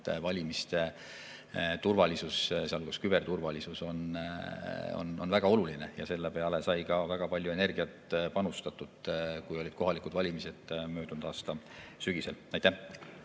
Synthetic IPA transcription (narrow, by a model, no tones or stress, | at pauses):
t̪vɑlʲimist̪e̞ | t̪urvɑlisusseɑluɡ̥ɑskyb̥e̞rt̪urvɑlisuso̞n | o̰no̞̰nvæɡ̥ɑo̞luline̞jɑse̞lːe̞pe̞ɑle̞sɑjkɑvæɡ̥ɑpɑlʲjue̞ne̞rɡ̥iɑt̪pɑnust̪ɑt̪ːˑud̪̥kujo̞lʲid̪̥ko̞ɦɑlikud̪̥vɑlʲimise̞d̪̥mø̞ːd̪unud̪̥ɑːst̪ɑ | syɡ̥iselɑjt̪æh